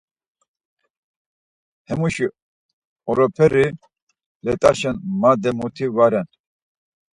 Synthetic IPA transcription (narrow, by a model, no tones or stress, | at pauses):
hɛmuʃi | ɔɾɔpʰɛɾi | lɛt̪ʼaʃɛnmad̪ɛmut̪ʰivaɾɛn